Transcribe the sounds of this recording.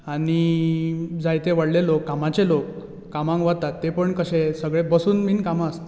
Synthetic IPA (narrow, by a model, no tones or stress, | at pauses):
aɽi | d͡zajt̪eʋəɽlelokːamat͡ɕelokː | amãŋkʋat̪at̪ːepəɳkəɕẽsəɡɭebəsuːnmiːnkamast̪